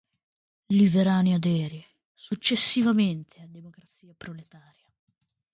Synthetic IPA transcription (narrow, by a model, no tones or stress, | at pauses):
liveɾaːnead̪ɛːɾje | sut͡ʃːesːivament̪ʰead̪emokɾat̪siːapɾolet̪aːɾja